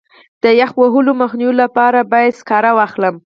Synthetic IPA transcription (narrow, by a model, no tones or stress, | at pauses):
d̪̥əjaxwaɦuloməxnijwolapɑɾabɑjad̪skɑɾawɑxləm